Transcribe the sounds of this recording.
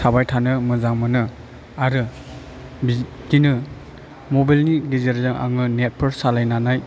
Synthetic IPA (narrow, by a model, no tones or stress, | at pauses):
sʰabajtʰanɯmɯzaŋmɯnɯ | aɾɯ | bi | dinɯ | mobajlniɡizeɾzaŋa̰ŋɯnet̚pʰɯɾsalajnanaj